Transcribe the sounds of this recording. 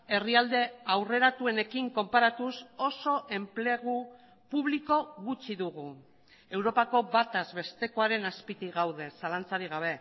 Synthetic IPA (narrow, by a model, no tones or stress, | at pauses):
e̞riald̪e̞awre̞ɾat̪ue̞ne̞kiŋko̞mpaɾat̪uso̞so̞ʔe̞mple̞ɣ̞u | puβliko̞ɣut͡ʃiðuɣu | e̞wɾo̞pako̞βat̪azβe̞st̪e̞ko̞aɾe̞naspit̪iɣawð̞e̞salant͡saɾiɣ̞aβ̞e̞